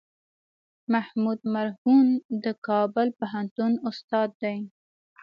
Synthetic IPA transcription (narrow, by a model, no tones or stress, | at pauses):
mahmud̪̚maɾhund̪əkɑbʊlpaɦant̪unʊst̪ɑd̪ːaj